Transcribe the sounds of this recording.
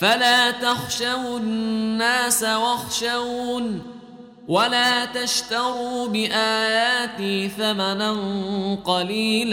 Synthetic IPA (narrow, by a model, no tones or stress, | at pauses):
falaːt̪axʃawnnːaːsawaxʃawuːn | walaːt̪aʃt̪ɑɾuːbɪʔaːjaːt̪iːθamananqɑliːl